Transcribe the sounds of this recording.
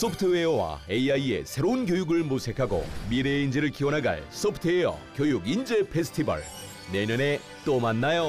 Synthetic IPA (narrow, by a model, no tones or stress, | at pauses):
s͈ʰʌpʰɯtʰɯwewa̰eiaie̞̰sʰe̞ɾounkjojuɡɯɭmusʰe̞kʰaɡo̰miɾeind͡ʑiɾɯɭkiwʌnɦaɡa̰ɭs͈ʰʌpʰɯ̥tʰɯeʌ̰kjojuɡind͡ʑepʰesʰɯ̥tʰibʌ̰ɭ | nenɯne̞ | t͈omanːajo